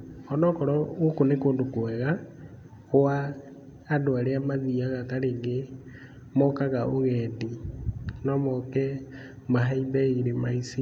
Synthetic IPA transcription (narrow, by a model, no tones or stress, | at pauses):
ɔnɔkɔɾɔɣokonekoːndokoɛɣa | ɣowaː | doaɾeamaðiaɣataɾeŋɡe | mɔkaɣaʔoɣɛdi | nɔmɔkɛ | maɦaibɛiɾemaisi